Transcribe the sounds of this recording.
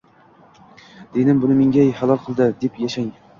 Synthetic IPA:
d̪̥enɪmbʊnɪmeŋʲajhalˠɒlˠqʰɨlˠd̪ɪd̪epjaʃaŋ

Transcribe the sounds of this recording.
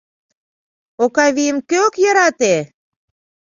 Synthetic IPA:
okɑβijəmkøokjɑɾɑt̪e

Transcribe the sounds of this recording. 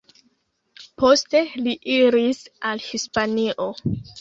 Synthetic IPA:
po̞ste̞liʔiɾisalhispaniʔo̞

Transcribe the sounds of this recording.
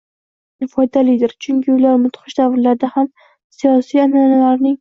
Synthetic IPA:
nɪfɒjd̪alɪd̪ɪɾt͡ʃʰʊŋʲkʲʰɪʊlaɾmʊt̪χɨʃd̪avɾlaɾd̪aham | sijɒsijananalaɾnɪŋ

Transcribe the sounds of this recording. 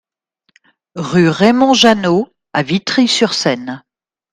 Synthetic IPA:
ʁyʁemɔ̃ʒano | avit̪χisyʁsɛn

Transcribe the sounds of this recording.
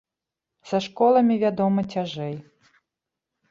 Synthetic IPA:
sɐʂkɔlˠɐmʲivʲad̪ɔmɐt͡sʲaʐɛj

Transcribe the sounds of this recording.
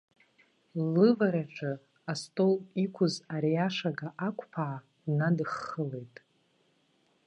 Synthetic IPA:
lɨvaɾaʈ͡ʂʼʰɨ | astʼolikʷʰʊzaɾijaʂaɡaʔakʷʰʼpʰaʕː | nadɨχːəle̞jtʼ

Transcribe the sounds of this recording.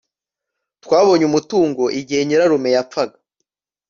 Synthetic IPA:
twaːβo̞ɲumutuːŋɡo̞ʔiɟihe̞ɲiɾaɾume̞jap͡faɡḁ

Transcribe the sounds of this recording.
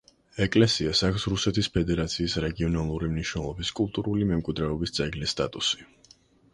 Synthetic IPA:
ɛkʼlɛsiasakʰfsɾusɛt̪ʰispʰɛd̪ɛɾat̪sʰiːsɾɛɡiɔnalˠuɾimniʃnɛlˠɔbiskʼulˠt̪ʼuɾulimɛmkʼwid̪ɾɛɔbist̪sʼɛɡlist̪ʼa̰t̪ʼusi̥

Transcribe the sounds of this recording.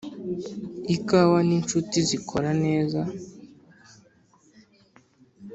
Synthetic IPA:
ikawanint͡ʃutizikʰoɾane̞ːza

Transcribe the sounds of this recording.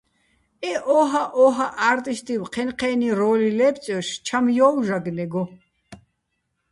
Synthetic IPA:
ɛʔɔɦaʔɔɦaʔaɾt̪ʼist̪ʼiwqʰɛnqʰɛːniɾɔːlilɛp̚t͡sʼɛwʃt͡ʃʰamjɔːwʒaɡnɛɡɔ

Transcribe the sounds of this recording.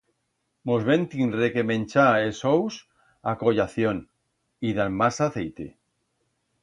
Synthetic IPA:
mozβẽnt̪inrekemẽnʲt͡ʃaesows | akojaθjon | iðamasaθejt̪ḛ

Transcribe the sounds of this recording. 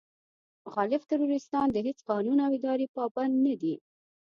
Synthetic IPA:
xɑlɪft̪ɪɾuɾɪst̪ɑnd̪əɦet͡sqɑnunawɪd̪ɑɾepɑband̪nad̪i

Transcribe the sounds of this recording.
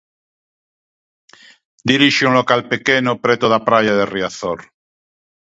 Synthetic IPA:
d̪iɾiʃeunlokalpekenopɾet̪oðapɾajaðeriaθoɾ

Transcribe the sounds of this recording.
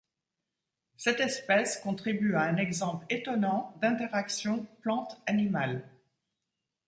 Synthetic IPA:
sɛt̪ɛspɛskɔ̃t̪χibyaɛ̃nɛɡzɑ̃plet̪ɔnɑ̃d̪ɛ̃t̪ɛʁaksjɔ̃plɑ̃t̪animal

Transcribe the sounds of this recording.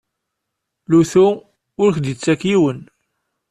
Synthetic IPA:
luθu | ʊɾçd̪ət͡sːækjiwən

